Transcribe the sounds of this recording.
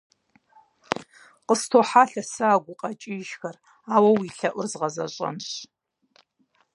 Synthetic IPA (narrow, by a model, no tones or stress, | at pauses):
qəstʰoːħaːɬɐsaːɡʷʊqʼɐt͡ʃʼiʒxɐr | aːwɐwiːɬɐʔʷʊrzʁɐzɐ̰ɕʼɐ̰nɕ